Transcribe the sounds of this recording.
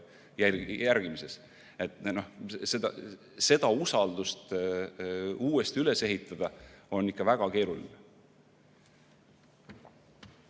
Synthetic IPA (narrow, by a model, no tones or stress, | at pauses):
jæjæɾɡ̥imise̞s | e̞t̪ːˑno̞hse̞d̪ɑ̰ | se̞d̪̥ɑusɑld̪̥ust̪ | uːest̪iyle̞se̞ɦit̪ːˑɑd̪̥ɑo̞nːikːɑvæɡ̥ɑke̞ːɾulḭne